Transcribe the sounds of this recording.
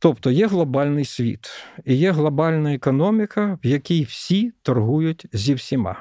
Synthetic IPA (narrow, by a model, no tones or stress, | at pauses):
t̪ɔpt̪ɔjɛɦlˠɐbɑlʲnɪjsʲʋʲḭt̪ijɛɦlˠɐbɑlʲnɐɛkɔnɔmʲɪkʰɐwjɐkʲijwsʲit̪ɐrɦujʊtʲzʲiwsʲima̰